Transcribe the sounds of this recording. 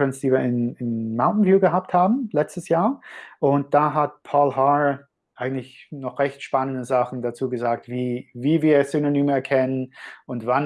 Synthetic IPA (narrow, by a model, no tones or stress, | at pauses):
ɛnsd̥iːviːɐɪnɪnmãʊ̃ntn̩vuːlɡəɦap̚thaːbm̩lɛt͡stəsjaːɐʔʊnt̚d̥aːɦat̚pʰɔːlɦa | ʔaɪɡŋ̩tlɪçnɔχʁ̥ɛçtʃpanəndəzaχn̩dat͡suːɡəzaːk̚tviːviːviːɐsynonyːməɛɐkʰɛnənʔʊntvan